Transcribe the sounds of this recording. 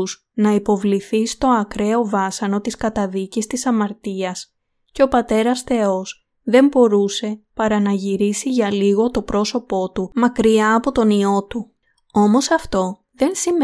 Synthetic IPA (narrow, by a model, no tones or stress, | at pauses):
z | nɐipo̞vliθist̪o̞ɐkɾe̞o̞vɐsɐno̞t̪iskɐt̪ɐðicist̪isɐmɐɾt̪iɐs | ce̞o̞pɐt̪e̞ɾɐsθe̞o̞s | ðe̞mbo̞ɾuse̞pɐɾɐnɐʝiɾisiʝɐliɣo̞t̪o̞pɾo̞so̞po̞t̪umɐkɾiɐːpo̞t̪o̞nio̞t̪u | o̞mo̞sɐft̪o̞ | ðe̞nsim